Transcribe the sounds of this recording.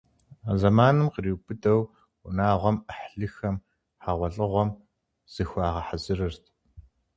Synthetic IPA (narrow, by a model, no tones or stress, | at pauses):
azɐmaːnɨmqəriːwbɨdɐw | ʊ̰naːʁʷɔməħɮɨxɐm | ħaʁʷɔɮʼɨʁʷɔm | z̥ɨxʷaːʁɐħazɨrɨrtʰ